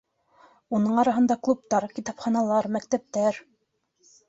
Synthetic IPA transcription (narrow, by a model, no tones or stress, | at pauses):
unɤɴɑɾɑɦɤ̆nd̪ɑklˠup̚t̪ɑɾkʲit̪ɑpχɑnɑlˠɑɾmæk̚t̪æp̚t̪æɾ